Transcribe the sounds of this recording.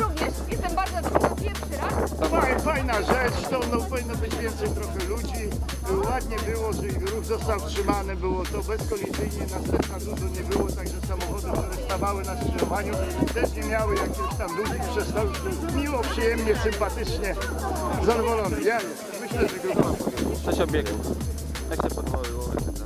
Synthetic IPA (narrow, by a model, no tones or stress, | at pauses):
ɾuvɲɛʂjɛst̪ɛmbaɾd̪zɔd̪ɾuɡapʲjɛʂɾaajfajnaʐɛt͡ʂt̪ɔɔnːɔpɔvinːɔbɘd͡ʑvʲjɛnt̪sɛjt̪ɾɔxɛlud͡ʑi | wad̪ɲɛbɘwɔʐɛiɾuɣzɔst̪awtʂɘmanɘbɘwɔt̪ɔbɛskɔlʲizɘjɲɛnasɛmpnat̪ud̪uɲɛbɘwɔt̪aɡʐɛsamɔxɔd̪ukt̪uɾɛst̪avawɘnasɛlɔvaɲut̪ɛʂɲɛmʲjawɘjakʲɔɕt̪amlud͡ʑipʂɛst̪awi | mʲiwɔpʂɨjɛmɲɛsɘmpat̪ɪt͡ʂɲɛ | zad̪ɔvɔlɔnɛjaj | mɘɕlɛʐɛɡɔd̪ɔɔɔsɛɕɔbʲjɛɡɛ̰ | aɕɛpɔd̪vɔwɘwɔa̰